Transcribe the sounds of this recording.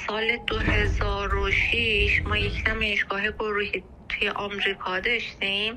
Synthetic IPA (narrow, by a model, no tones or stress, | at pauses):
sɒːled̪ohezɒːɾoʃiːʃmɒːjecʰt̪ʰæmeːʃɡ̥ɒːɦeɡoɾuːhi | t̪ʰujeʔɒmɾiːkʰɒːd̪ɒʃt̪im